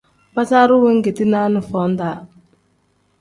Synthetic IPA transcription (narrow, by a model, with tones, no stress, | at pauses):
ba˦ta˦ɾu˦we˦ŋ̩˦ɡe˨ti˦na˦nu˨fɔ˨˦n˦da˨˦